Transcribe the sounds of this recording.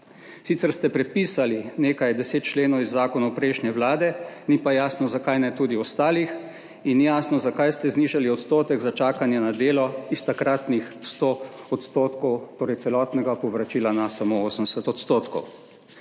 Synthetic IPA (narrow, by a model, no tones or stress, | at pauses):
sit̪sɛɾst̪ɛpɾɛpiːsalineːkajd̪ɛseːt̪̚t͡ʃleːnɔwizːaːkɔnawpɾɛʃnjɛwlaːd̪ɛnipajaːsnɔzakajnɛt̪uːd̪iɔst̪aːlix | injaːsnɔzakajst̪ɛzniːʒaliɔt̪st̪oːt̪ɛɡzat͡ʃaːkanjɛnad̪eːlɔist̪akɾat̪nixst̪o | ɔt̪st̪oːt̪kɔwt̪oːɾɛj̪sɛlɔːt̪nɛɡapɔʋɾat͡ʃiːlanasamooːsən̩ɛsɛt̪ɔt̪st̪oːt̪kɔ̰w